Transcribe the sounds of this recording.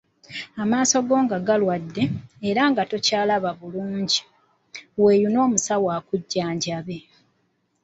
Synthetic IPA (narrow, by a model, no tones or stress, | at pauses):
amaːso̞ɡo̞ːŋɡaɡalwadːe̞ːɾaŋɡato̞caːlaβaβuluːɲɟi | we̞ːjuno̞ːmusawaːkuɟːaːɲɟaβe̞